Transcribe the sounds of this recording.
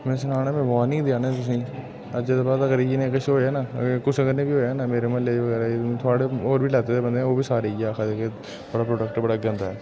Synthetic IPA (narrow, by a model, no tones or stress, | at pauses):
mɛ̃ːsɪnaːnaːmẽːʋaːnĩːd̪ɪjaːnet̪ʊs̬ĩː | əd͡ʒeːd̪abaːd̪əɡəɾiːd͡ʒinẽːkəʃɦoːɛːnaːkʊsəɡəɾnẽːbiːɦoːjanaːmeːɾeməleːd͡ʒeːʋəɡɛːɾaet̪ʰʊaːɽeoːɾbʱiːlaːt̪et̪eːbənd̪ẽoːbʱiːsaːɾed͡ʒaːkʰad̪eːke | bəɽaːpɾoːʈək̚ʈbəɽaːɡə̃nd̪aːɛː